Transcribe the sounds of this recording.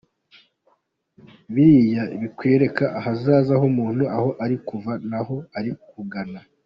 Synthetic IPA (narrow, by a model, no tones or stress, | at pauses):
βiɾijaiβikwe̞ːɾe̞kaʔahazaːzahomuːn̥huaho̞ʔaɾikuvanaho̞aɾikuɡana